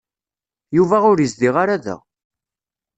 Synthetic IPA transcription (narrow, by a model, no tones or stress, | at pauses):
juvæʊɾjəzd̪iʁaɾaðæ̰